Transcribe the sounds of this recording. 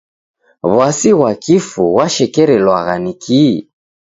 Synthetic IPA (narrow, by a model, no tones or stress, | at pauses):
βwasiɣwakifuɣwaʃɛkɛɾɛlwaɣanikʰi